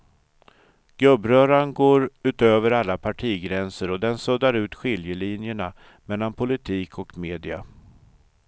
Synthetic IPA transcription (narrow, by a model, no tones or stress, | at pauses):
ɡ̥ɾɵbːɾœːɾaɳɡoːɾʉ̟ːt̪øːvəɾalːapʰaʈʰiːɡɾɛnsəɾɔd̪ɛnsɵd̪aɾʉ̟ːt̪ɧɪljəlinjəɳa | mɛlːanpʰʊlɪt̪ʰiːkʰɔkmeːd̪ɪa̰